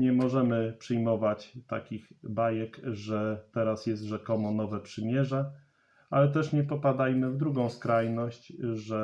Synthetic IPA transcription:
ɲɛmɔʐɛmɘpʂɘjmɔvat͡ɕt̪a̰kʲiɣbajɛkʐɛt̪ɛɾasjɛst̪ʐɛkɔmɔnɔvɛpʂɘmʲjɛʐɛ | alɛt̪ɛʂɲɛpɔpad̪ajmɘvd̪ɾuɡɔ̃w̃skɾajnɔɕt͡ɕʐɛ

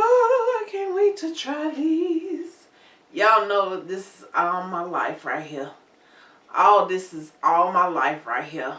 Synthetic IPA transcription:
oaɪkʰæ̃nʔwetʰɨtʰɹ̥aɪðiz̥ | jæanoʊðɪsɨzɔlˠmaɪla̰ɪfɹa̰ɪt̚hiɹ | ʔoʊðɪsɨzɔlˠmaɪlaɪfɹa̰ɪt̚ɦiɹ

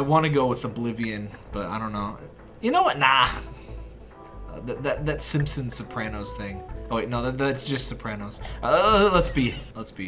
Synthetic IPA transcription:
aɪwɑ̃nɨɡoʊwəðəblɪviɨ̃nb̥ʌɾaɪɾõʊ̃nːoʊ | jɨnoʊwʌtⁿna | ʌ̰ðɨðɨt̪̚ðɨtsɪ̃mpsɨ̃nsɨpʰɹ̥ænoʊz̥θɪ̃ŋoʊnoʊðɨt̚ðætsd̥ʒ̥ʌstsɨpʰɹ̥ænoʊz̥ʌlətsb̥ilətsb̥i

